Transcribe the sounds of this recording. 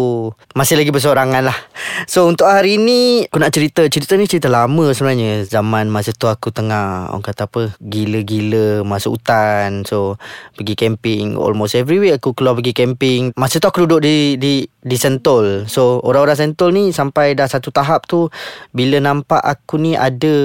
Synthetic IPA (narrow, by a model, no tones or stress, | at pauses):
umasɪhlaɡibəs̬oɾaŋanlahsount̪ʊʔhaɾiːniakunaʔt͡ʃəɾit̪ət͡ʃəɾit̪ənit͡ʃəɾit̪əlaməsəbənaɲəzamanmasəht̪uakut̪əŋahɔ̰kat̪aːpəɡiləɡiləmasuʔṵt̪ansopəɡikɛmpɪŋɔ̰lmost̪ɛvɾiweakukəluapəɡikɛmpɪŋmasət̪uakududʊʔ̚dididisɛnt̪ɔlsoo̰ɾaŋoɾaŋs̬ɛnt̪ɔlnisampajdahsat̪ut̪aɦap̚t̪ubilənãmpa̰ʔakuniʔa̰də